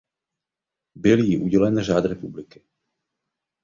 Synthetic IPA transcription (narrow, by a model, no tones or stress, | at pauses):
bɪljiʔuɟɛlɛnʒaːd̪ɾɛpublɪkɪ̥